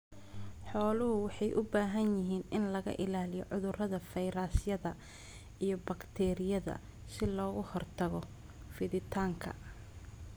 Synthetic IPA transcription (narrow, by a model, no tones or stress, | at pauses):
ħɔːlʊɦʊwɑħɑjʔʊbaːɦɐnjɪɦiːnɪnlɐɣɐ̰ʔɪlaːlɪjɔʕʊðʊrɐðɐfɛjɾaːsjɐðɐ | ijɞbɐkt̪ʰɛːɾɪjɐðɐ̰ | sɪlɔːɣʊhɔrt̪ʰɐɣɔ | fɪðɪt̪ʰaːŋkʰɐ̰